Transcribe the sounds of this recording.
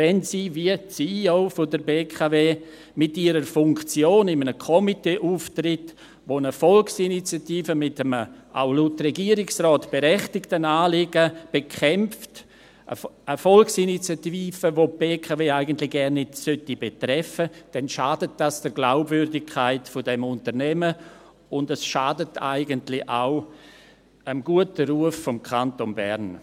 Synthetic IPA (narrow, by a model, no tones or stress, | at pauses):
vɛnsiːviəsioːfodəɾbeːkʰaveː | mɪtiəɾəɾfʊŋkt͡sjoːnɪmənəkʰɔmiteːʔuːftrɪt | ʋonəfɔlksinit͡sjatiːfəmɪtəməʔa̰ʊlutrɛɡiːəɾɪksrɔːtb̥eɾɛχtɪktənaːlɪɡəb̥ekʰɛmft | ə̰əfɔlksinit͡sjatiːfəvopb̥eːkʰaveːaɪɡən̩tlɪɡ̥ɛɾnːɪtsøtibetrɛfəd̥ɛnʃaːdət̚d̥asd̥əɾɡlaʊbvʏɾdɪkʰːaɪtfɔdɛmʊntəɾnɛmə | ʊndəsʃaːdətʰa̰ɪɡəntlɪʔaʊ | əmɡuətəɾuəfːɔmkʰantonbɛ̰ɾn